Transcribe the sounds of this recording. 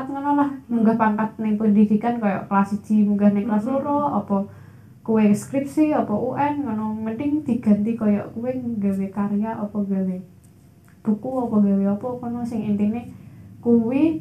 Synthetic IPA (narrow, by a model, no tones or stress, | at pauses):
t̪̚ŋɔnɔlahmuŋɡahpaŋkat̪̚nɪŋpəndid̪̥i̤kankɔjɔ̰ʔklasi̥d͡ʒ̥i̤muŋɡahnɪŋklasoɾɔɔpɔ | kuweskɾip̚siɔpɔʔuʔɛnŋɔnɔməndɪŋd̪̥i̤ɡ̥a̤nt̪ikɔjɔ̰ʔkuweɡawekaɾejaʔɔpɔɡawe | b̥ukuɔpɔɡaweɔpɔkɔnɔsɪŋint̪inekuwi